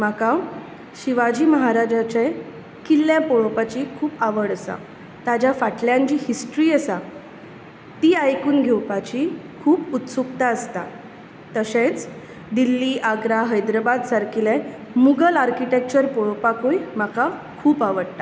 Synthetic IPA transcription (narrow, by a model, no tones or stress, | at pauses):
maka | ɕiʋad͡ʑiːməɦaɾad͡ʑat͡ɕe | kilːjãpoɭpat͡ɕikʰuːpaʋəɽəsa̰ | t̪ad͡ʑjafaʈʰljãɲd͡ʑiːhisʈɾiːəsa | t̪iːajkuːnɡʱewpat͡ɕikʰuːput̪sukt̪aəst̪a | t̪əset͡s | d̪ilːiːʔaɡɾaɦəjd̪ɾəbad̪saɾkʰilemuɡəlaɾkiʈek̚t͡ɕəɾpoɭpakojmaka | kʰuːpaʋəɽt̪a